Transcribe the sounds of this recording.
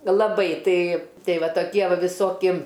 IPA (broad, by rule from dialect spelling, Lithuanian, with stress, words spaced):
lˠɐˈbɐɪ ˈtɐɪ ˈtʲɛɪ ˈʋɐ toːˈkʲiɛ ˈʋɐ ʋʲɪˈsoːkʲɪ